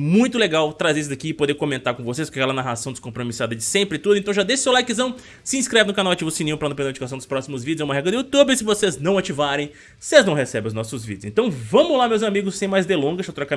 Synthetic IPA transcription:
mũj̃t̪ʊleɡawt̪ɾazes̬zɐkiɪpod̪eɾkõmẽnt̪aɾkõvosespɾkɛɛlɐnaɦasɐ̃w̃d̪ɪ̥skõpɾomisad̪ɐd͡ʒɪsẽmpɾɪt̪ud̪ʊẽnt̪ɐ̃w̃ʒad̪eʃʊsewlajkɪzɐ̃w̃ | sɪĩskɾɛvɪnʊkanawat͡ʃivʊsinĩũpɾɐnɐ̃pẽd̪̃d͡ʒikasɐ̃d̪ʊspɾɔsimʊzvid͡ʒʊzɛũmɐɦɛɡɾɐd̪ɪut̪ubɪsɪvoseznɐ̃w̃at͡ʃivaɾẽj̃ | seznɐ̃w̃hesɛbẽʊznɔsʊzvidd͡ʒʊsẽnt̪ɐ̃w̃vɐ̃mʊlamewzamiɡʊssẽj̃majzd̪elõɡɐʃat̪ɾɔka

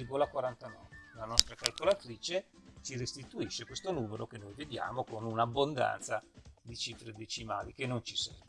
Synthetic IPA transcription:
rɡolakwaɾant̪anɔ̰ːvelanɔst̪ɾakalkolat̪ɾiːt͡ʃet͡ʃirest̪it̪uiʃːekwest̪onuːmeɾokenːojved̪ja̰ːmokonunabːond̪a̰nt̪sad̪it͡ʃifɾed̪et͡ʃima̰ːlikenːont͡ʃisɛ̰rve

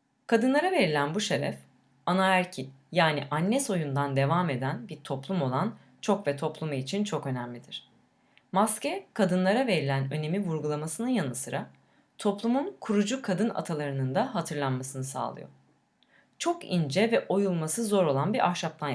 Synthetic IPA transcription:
kʰad̪ɯnlˠaɾave̞ɾilʲænbuʃeɾɛ̰f | anaæɾcʰijaːniʔanːɛso̞jund̪and̪e̞vame̞d̪ænbiɾt̪ʰo̞plˠumo̞lˠan | t͡ʃʰo̞kvɛt̪ʰo̞plˠumuit͡ʃʰint͡ʃʰo̞kø̞næmlʲid̪iɾ̝̥ | mascɛkʰad̪ɯnlˠaɾave̞ɾilʲænø̞ne̞mivuɾɡulˠamasɯnɯnjanɯsɯɾa | t̪ʰo̞plˠumunkʰuɾud͡ʒukʰad̪ɯna̰t̪ʰalˠaɾɯnɯnd̪aɦat̪ʰɯɾlˠanmasɯnɯsa̰ːlˠɯ̰jo̰ | t͡ʃʰo̞kind͡ʒɛvɛʔo̞julˠmasɯzo̞ɾo̞lˠanbiɾʔahʃap̚t̪ʰan

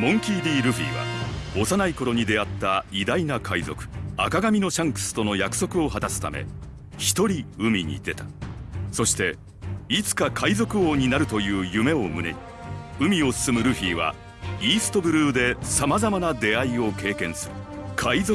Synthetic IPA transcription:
mõ̞ŋkʲiːd̪ʲiːɾɯ̟ɸʲḭːβa̰o̞sanaiko̞ɾo̞ɲ̟id̪e̞at̪ːaid̪ainakʰaizo̞̰kɯ̟̥a̰kaɡamʲino̞ɕãŋkɯ̟̥sɨ̥t̪o̞no̞jakɯ̟̥so̞kɯ̟o̞ɦat̪asɨ̥t̪a̰me̞̰ | çi̥t̪o̞ɾʲiɯ̟mʲiɲ̟ḭd̪e̞t̪ḁso̞ɕi̥t̪e̞ | it͡sɨ̥kakʰaizo̞kɯ̟oːɲ̟inaɾɯ̟t̪o̞jɯ̟ːjɯ̟me̞o̞mɯ̟ne̞̰ɲ̟i | ɯ̟mʲio̞sɨ̥sɨmɯ̟ɾɯ̟ɸʲiːβa̰ | iːsɨ̥t̪o̞bɯ̟ɾɯːd̪e̞samazamanad̪e̞aio̞ke̞ːkẽ̞ɰ̃sɨɾɯkʰaizo

